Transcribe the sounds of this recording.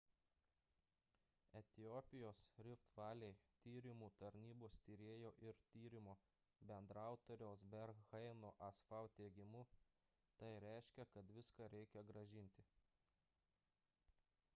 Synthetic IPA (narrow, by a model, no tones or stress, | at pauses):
ɛt̪ʲɪjoːpʲɪjoːsɾʲɪft̪ʋɑːlʲɛɪt̪ʲiːɾʲɪmuːt̪ɐɾʲnʲiːboːst̪ʲiɾʲeːjoːʔɪɾt̪ʲiːɾʲɪmoː | bʲɛnd̪ɾɑˑʊt̪oːɾʲɛːsbʲɛɾɣɐɪnoːʔɐsfɑˑʊt̪ʲeːɡʲɪmu | t̪ɐɪɾʲæˑɪʃʲkʲɛkɐt̪ʋʲɪskɑɾʲɛɪkʲɛɡɾɐʒʲɪnʲt̪ʲɪ